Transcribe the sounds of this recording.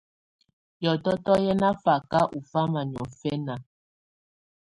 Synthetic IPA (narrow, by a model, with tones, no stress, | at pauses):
jɔ˨tɔ˦tɔ˦jɛ˦na˦fa˨ka˦ʔu˨fa˦ma˨ɲɔ˨fɛ˦na˨